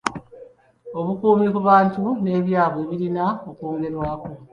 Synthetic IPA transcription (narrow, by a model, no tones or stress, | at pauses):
o̞βukuːmikuβaːntune̞ːβjaːβwe̞ːβiɾinao̞koːŋɡe̞ɾwaːko